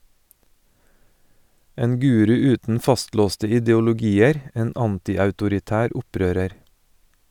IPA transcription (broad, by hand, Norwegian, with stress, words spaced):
ˈeːn ˈɡʉːɾʉ ˈʉːtn̩ ˈfɑstˌloːstə ɪdɛʊlʊˈɡiːəɾ ˈeːn ˈɑntɪɑʉtʊɾɪˌtæːɾ ˈʊˌpɾøːɾəɾ